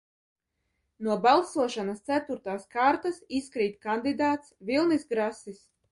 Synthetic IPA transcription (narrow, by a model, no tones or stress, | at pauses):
nuɔbalˠsuɔʃanast̪sæt̪uɾt̪aːskaɾt̪asiskɾiːt̪̚kand̪id̪aːt̪svilˠnisɡɾasis